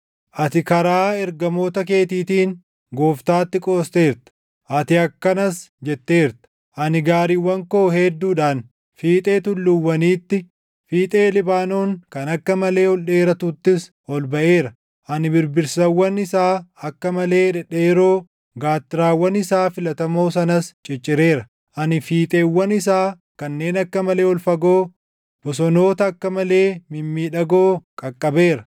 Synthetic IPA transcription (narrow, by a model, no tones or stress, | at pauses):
ʔɐt̪ɪkɐɾaːɛɾɡɐmo̞ːt̪ɐke̞ːt̪iːt̪iːŋ | ɡo̞ːft̪aːt̪ːɪkʼo̞ːst̪e̞ːɾt̪ɐ̥ | ʔɐt̪ɪɐkːɐnɐsd͡ʒɛt̪ːe̞ːɾt̪ɐ̥ | ʔɐnɪɡaːɾiwːɐŋkoːɦɛd̪ːuːᶑaːn | fiːt̪ʼe̞ːt̪ʊlːʊwːɐniːt̪ːɪ | fiːt̪ʼe̞ːlɪbaːnoːŋkɐnɐkːɐmɐle̞ːɔlᶑe̞ːɾɐt̪ut̪ːɪs | ɔlbɐʔe̞ːɾɐ | ʔɐnɪbɪɾbɪɾsɐwːɐnɪsaːɐkːɐmɐle̞ːᶑɛᶑeːɾo̞ː | ɡaːt̪ːɪɾaːwːɐnɪsaːfɪlɐt̪ɐmo̞ːs̬ɐnɐst͡ʃʼɪt͡ʃʼːɪɾe̞ːɾɐ | ʔɐnɪfiːt̪ʼeːwːɐnɪsaː | kɐnːe̞ːnɐkːɐmɐle̞ːɔlfɐɡoː | b̥ɔsɔno̞ːt̪ɐːkːɐmɐle̞ːmɪmːiːᶑɐɡoːkʼɐkʼːɐbe̞ːɾɐ̥